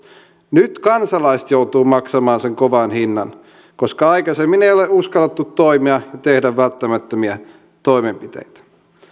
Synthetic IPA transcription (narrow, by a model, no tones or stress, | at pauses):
nyt̪kɑnsɑlɑist̪jowt̪uːmɑksɑmɑːnseŋkoʋɑnhinːɑn | koskɑɑikɑsemmineoleuskɑlːet̪ːut̪ːoimiɑjɑt̪ehdæʋːælt̪ːæmæt̪ːømiæ | t̪oimempit̪ḛjt̪æ̥